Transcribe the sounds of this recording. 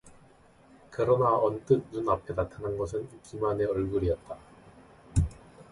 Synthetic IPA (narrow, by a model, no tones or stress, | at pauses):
kɯɾʌnaʌnt͈ɯk̚nunap̚ʰenatʰananɡʌsʰɯnk͈imane̞ʌɭɡuɾiʌt̚t͈a